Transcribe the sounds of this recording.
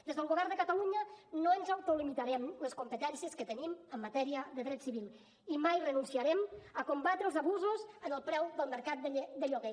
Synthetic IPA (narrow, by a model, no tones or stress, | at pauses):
d̪ezðəlˠɣuβɛɾd̪əkət̪əluɲənoənzawt̪olimit̪aɾɛmləskumpət̪ɛnsiəskət̪əniməmːət̪ɛɾiəðəðɾɛt̪siβilˠ | imajrənunsiəɾɛməkumbat̪ɾəːlˠzəβuzuzənəlˠpɾɛwðəlˠməɾkat̪̚d̪əʎoɣe